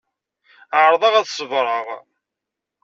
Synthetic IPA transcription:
aʕɾˤðˤɑʁæðsˤəvɾˤəʁ

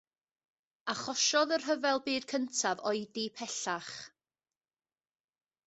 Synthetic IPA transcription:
aχɔʃɔðərɦəvɛlˠbiːd̥̚kʰəntʰavɔjdipʰɛɬaχ

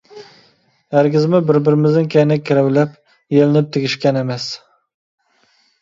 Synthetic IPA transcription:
æɾɡʲɪzmɪbɪɾbɪɾɪmɪznɪŋkʲʰæjnɛkʲʰɪɾawɪlɛp | jelɪnɪp̚t̪ʰɪɡʲɪʃkʲɛnemɛs

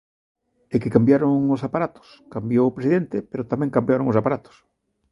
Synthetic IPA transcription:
ekɪkambjaɾoŋosapaɾat̪o̥skambjowpɾesiðent̪ɪpeɾot̪amɛ̃ŋkambjaɾoŋosapaɾat̪o̥s

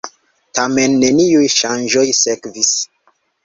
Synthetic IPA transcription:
tame̞nːe̞niujʃand͡ʒo̞jsekvis

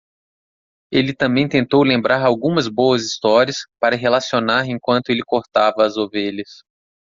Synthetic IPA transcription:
elɪt̪ɐ̃mbẽj̃t̪ẽnt̪owlẽmbɾaɾawɡũmɐzbowɐzist̪ɔɾiɐspaɾɐɦelasionaɾẽkwɐ̃nt̪ʊelɪkoɾt̪avɐːzoveʎɐs

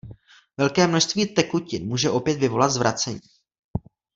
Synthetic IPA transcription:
vɛlkɛːmnoʃst̪viːt̪ɛkucɪnmuːʒɛʔo̞pjɛt̪vɪvo̞lat̪zvɾat͡sɛɲiː

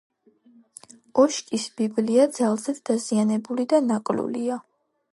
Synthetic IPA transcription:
ɔʃkʼisbibliad̪zalˠzɛd̪d̪azianɛbulid̪anakʼlṵlia

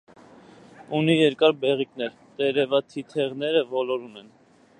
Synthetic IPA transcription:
unijɛɾkɑɾbɛʁiknɛɾ | t̪ɛɾɛvɑt̪ʰit̪ʰɛʁnɛɾəvɔlɔɾunɛn

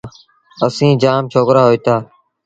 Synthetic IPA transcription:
əsĩːd͡ʒaːmt͡ʃʰoːɡɾaːɦoːiːt̪aː

